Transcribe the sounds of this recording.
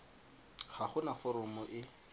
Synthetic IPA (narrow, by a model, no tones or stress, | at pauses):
χaχʊnafɔɾɔmɔʔɪ